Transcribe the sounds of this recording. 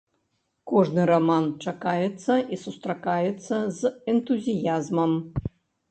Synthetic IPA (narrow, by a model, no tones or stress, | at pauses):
kɔʐnɨɾamant͡ʂakajɛt̪sːɐʔisust̪ɾakajɛt̪sːɐzɛnt̪uzʲijazmɐm